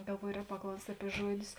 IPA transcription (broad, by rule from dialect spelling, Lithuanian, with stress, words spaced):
ɡɐlˠˈʋuɔjoː ˈrʲɛːk pɐˈklˠɐʊsʲtʲ ˈɑːpʲiɛ ˈʒuɔˌdʲʊs